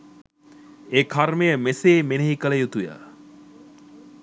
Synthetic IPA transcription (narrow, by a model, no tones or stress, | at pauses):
eːkʰaɾmejəmeseːmenəɦikələjut̪ujə̰